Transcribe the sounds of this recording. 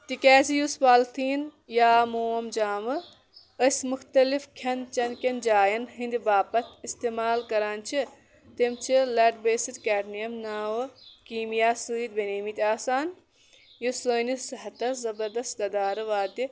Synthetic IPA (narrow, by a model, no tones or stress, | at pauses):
t̪ikaːzijusbaːlt̪ʰiːn | jaːmoːɐmd͡ʒaːmɨ | ɐsʲmuxt̪ɐlifkʲʰɐnt͡ʃɐnkʲɐnd͡ʒaːjɐnɦĩnd̪baːpɐt̪ʰist̪eːmaːlkɐɾaːnt͡ʃʰi | t̪imt͡ʃʰilɐːʈbeːsid̪kaːʈnijɐmnaːʋɨkiːmijaːsɨːd̪̚bɐneːmit̪ʲaːsaːn | jusoːnisɨɦɐt̪ɐszɐbɐɾd̪ɐst̪ɡɐd̪aːɾɨʋaːd̪i